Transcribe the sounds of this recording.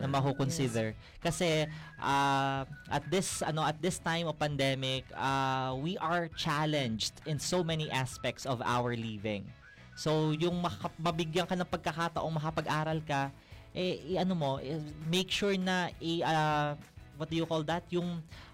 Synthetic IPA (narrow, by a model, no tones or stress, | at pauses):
nɐmɐɦukonsɪd̪ɛɹ | kɐsɛʔa | ʔɐt̪̚d̪ɪsɐno̞ʔɐt̪̚d̪ɪst̪ãjmovpɐnd̪ɛmɪkɐwiʔɐɹt͡ʃalɛ̃nd͡ʒd̪ɪ̃nsowmɛniʔaspɛk̚t̪sɔvʔa̰wəɹlivɪ̰̃ŋ | so̞wjʊŋmɐɐmɐbɪɡjɐŋkɐnɐŋpɐɡ̚kɐkat̪ɐʔo̞ŋmɐkɐpɐɡʔaːɾɐlkɐ | ʔɛʔɐnomo̞ʔmejkʃuɹnɐʔɪɐ | wɔt̪̚d̪ʊjʊkold̪ɐt̪jʊŋ